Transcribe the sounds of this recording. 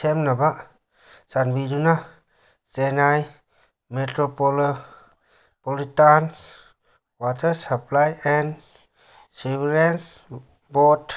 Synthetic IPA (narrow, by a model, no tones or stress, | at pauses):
semnaba | sanbiduna | senaj | metɾopol | polit̪ans | wat̪əsaplajɛ̃n | subɾans | bot